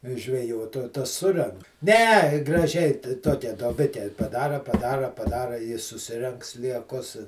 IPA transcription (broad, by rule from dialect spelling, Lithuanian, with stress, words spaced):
ʒʲʋʲɛˈjoːt oː ˈtɐs ˈsʊrʲɛŋk nʲɛ ɡrɐˈʒʲɛɪ tɐ ˈtoːkʲɛ duɔˈbʲɪkʲɛ pɐˈdɑːrɐ pɐˈdɑːrɐ pɐˈdɑːrɐ ɪ sʊˈsʲɪrʲɛŋk sʲlʲiɛˈkʊs